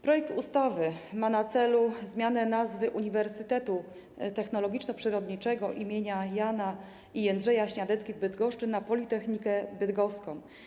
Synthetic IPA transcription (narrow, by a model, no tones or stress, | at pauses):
pɾɔjɛk̚t̪ust̪avɘmanat̪sɛluzmʲjanɛnazvɘʔuɲivɛɾsɘt̪ɛt̪u | t̪ɛxnɔlɔɡʲit͡ʂnɔpʂɘɾɔd̪ɲit͡ʂɛɡɔʔimʲjeɲajana | iɛnd̪ʐɛjaɕɲad̪ɛt̪skʲiɣbɘd̪ɡɔʂt͡ʂɘnapɔlʲit̪ɛxɲikɛbɘd̪ɡɔskɔ̃m̃